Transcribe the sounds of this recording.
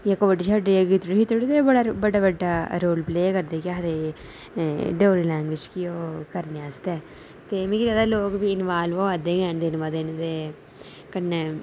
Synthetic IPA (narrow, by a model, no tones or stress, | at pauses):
jaːkoːbəɖiːt͡ʃʰaɖɾeːɡiːt̪ɾiʃiːt̪ʊɽit̪eːbəɽaːbəɖaːbəɖːaːɾoːlpleːkəɾd̪eːkaːd̪eː | ɖoːɾiːlɛ̃ːŋɡʋɪːd͡ʒkioːkəɾneːast̪ɛː | t̪eːmĩːɡiɾaːd̪aːloːkʋiːɪnʋaːlʋoːad̪eːɡɛ̃ːnd̪ɪnʋaːd̪eːnt̪eː | kənːe